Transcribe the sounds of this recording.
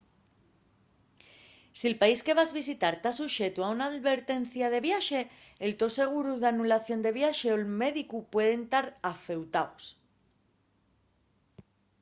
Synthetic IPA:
sielpaiske̞β̞azβis̬it̪aɾt̪asuʃe̞t̪uaunaːðβe̞ɾt̪e̞nθjaðe̞βjaʃe̞ | elt̪o̞se̞ɣ̞uɾuðeanulaθjo̞nd̪e̞βjaʃe̞olme̞ðikupwe̞ð̞ent̪aɾafe̞wt̪aos

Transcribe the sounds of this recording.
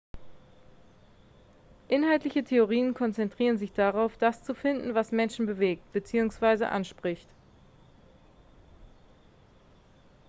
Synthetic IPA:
ʔɪnɦaltlɪçətʰeoʁiːənkʰɔnt͡sɛntʁ̥iːʁ̞ənzɪçd̥aʁaʊfd̥ast͡sufɪndn̩vasmɛnʃn̩bəveːk̚tb̥ət͡siːʊŋsv̥aɪzə̰ʔa̰nʃpʁ̥ɪçt

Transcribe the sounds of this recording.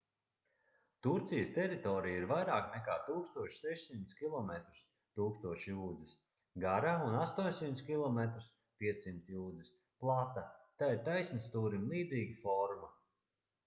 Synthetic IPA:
t̪uɾt̪sijəst̪ɛɾit̪ɔɾijiɾvajɾaːknɛkaːt̪uːkst̪uɔʃsɛʃsimt̪skʲilˠɔmɛt̪ɾu̥s | t̪uːkst̪uɔʃjuːd̪zis | ɡaɾaunast̪uɔɲʲsimt̪skʲilˠɔmɛt̪ɾu̥s | pʲiɛt̪sːimt̪juːd̪zis | plˠat̪at̪aːiɾt̪ajsnist̪uːɾimlˠiːd̪ziːɡifɔɾma

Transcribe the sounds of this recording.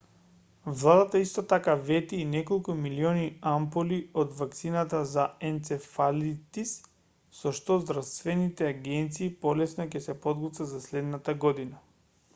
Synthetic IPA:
vlˠad̪at̪aist̪ɔt̪akavɛt̪iːnɛkolˠkumiliɔniampoliod̪vak̚t̪sinat̪azaɛnt̪sɛfalit̪isː | ɔʃt̪ɔzd̪ɾast̪vɛnit̪ɛaɡɛnt̪siːpɔlɛsnɔcɛsɛpɔd̪ɡɔt̪vazaslɛd̪nat̪aɡɔd̪ina

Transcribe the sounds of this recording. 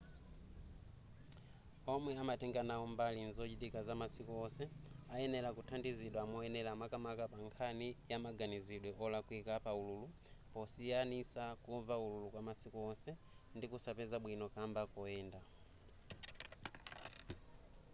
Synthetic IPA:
ɔmwɛamatʰɛŋɡanaɔmbalinzɔt͡ʃitikazamasikuɔsɛaɛnɛlakutʰandiziɗwaːmɔɛnɛlamakamakapaŋkʰanijamaɡaniziɗwɛʔɔlakwikapaululu | pɔsijanisakuvaululukwamasikuɔsɛ | ndikusapɛzaɓwinɔkambakɔɛːnda

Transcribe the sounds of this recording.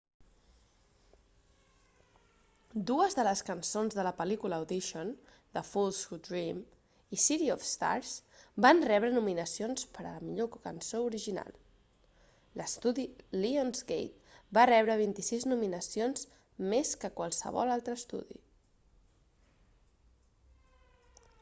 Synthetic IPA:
d̪uəzðələskənsonzðələpəlikuləud̪iʃon | d̪əfulˠsud̪ɾim | isiɾiɔfst̪a̰ɾzbanrɛβɾənuminəsionspəɾə̰ləmiʎokənsouɾiʒina̰lˠ | ləst̪uðilionzɡḛjt̪̚barɛβɾəβint̪isiznuminəsionz | meskəkwalˠsə̰βɔ̰lalˠt̪ɾəːst̪ṵðḭ

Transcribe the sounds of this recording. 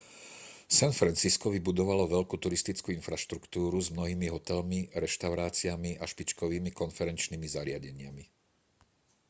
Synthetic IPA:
sanfɾant͡siskɔʋibud̪ɔʋalɔʋɛʎkut̪uɾist̪it͡skuinfɾaʃt̪ɾukt̪uːɾuzmnɔɦiːmiɦɔt̪ɛlmiɾɛʃt̪aʊɾaːt͡siamiaʃpit͡ʃkɔʋiːmikɔnfɛɾɛnt͡ʃnimizaɾɪaɟɛɲɪami

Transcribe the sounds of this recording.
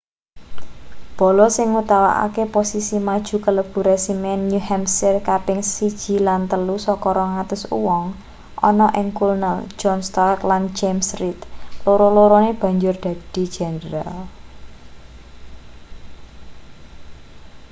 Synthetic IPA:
b̥ɔ̤lɔsɪŋut̪awa̰ʔa̰keposisimad̥ʒ̥ṳkələb̥ṳɾesimɛnjuhɛmsɪrkapɪŋsid̥ʒ̥i̤lant̪əlusɔkɔɾɔŋat̪ʊsṵwɔŋ | ʔɔ̰nɔʔɪŋkulnəl̥d͡ʒ̥ɔnst̪ɔkland͡ʒemsɾit̪loɾoloɾoneb̥ä̤ɲd͡ʒʊrd̪̥a̤d̪̥i̤̥d͡ʒ̥ɛ̤nɾal

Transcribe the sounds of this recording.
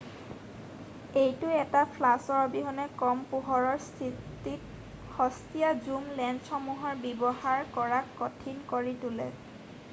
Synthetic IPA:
ejtʊɛtapʰlasɔɹbiɦɔnɛkɔmpuɦɔɹɔɹsʰitik | hɔstijazumlɛnsɔmuɦɔɹbibɔhaɹkɔɹakːɔtʰinkoɹitulɛ̰

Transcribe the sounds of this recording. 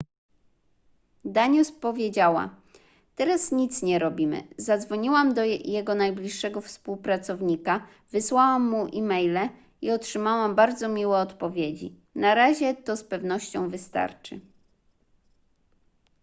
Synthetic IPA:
d̪aɲuspɔvʲjed͡ʑawa̰ | t̪ɛɾasɲit̪sɲɛɾɔbʲimɘ̰zad̪zvɔɲiwamd̪ɔjɛɡɔnajblʲiʂːɛɡɔfspuwpɾat̪sɔvɲika | vɘswawamːuʔimɛjlɛ | iɔtʂɘmawambaɾd̪zɔmʲiwɛɔt̪pɔvʲjed͡ʑḭ | naɾaʑɛt̪ɔspɛvnɔɕt͡ɕɔ̃w̃vɘst̪a̰ɾt͡ʂɘ̰

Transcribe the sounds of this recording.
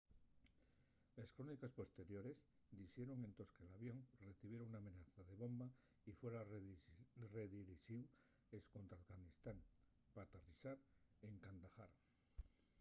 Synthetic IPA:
eskɾo̞nikaspo̞st̪e̞ɾjo̞ɾe̞z | d̪isje̞ɾoŋẽ̞nt̪o̞skelaβjo̞ŋre̞θiβjeɾoŋuname̞naθaðe̞βo̞mba | ifwe̞ɾa | reðiɾiʃiw | esko̞nt̪ɾafɣanist̪aŋ | pat̪arisaɾe̞ŋkand̪axa̰ɾ

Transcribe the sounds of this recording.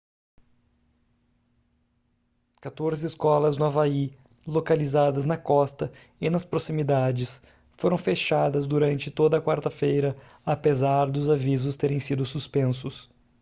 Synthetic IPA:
kat̪oɾzɪːskɔlɐznʊavai | lokalizad̪ɐznɐkɔst̪ɐ | ɪnɐspɾosimid̪ad͡ʒɪs | foɾɐ̃w̃feʃad̪ɐzd̪uɾɐ̃nt͡ʃɪt̪od̪ɐkwaɾt̪ɐfejɾɐ | apezaɾd̪ʊzavizʊst̪eɾẽj̃sid̪ʊsuspẽsʊs

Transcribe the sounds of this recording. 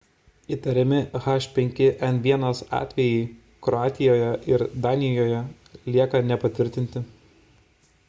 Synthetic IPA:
it̪ɐɾʲɪmʲɪɣɑʃʲpʲɛŋʲkʲɪʔɛnʋʲiɛnosɑ̰ːt̪ʲʋʲɛjɪː | kɾɔɑːt̪ʲɪjoːjɛʔɪɾd̪ɑːnʲɪjoːjɛ | lʲiɛkɐnʲɛpɐt̪ʲʋʲɪɾʲt̪ʲɪnʲt̪ʲɪ

